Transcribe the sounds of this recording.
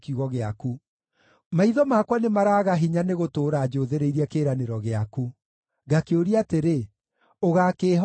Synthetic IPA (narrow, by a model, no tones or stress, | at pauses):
kiuɣɔɣeaku | maiðɔmakwanemaɾaːɣaɦiɲaneɣotoːɾaːd͡ʒoːðeɾeiɾiɛkeːɾaneɾɔɣeaku | ɡakeoɾiateɾe | oɣakeːɦ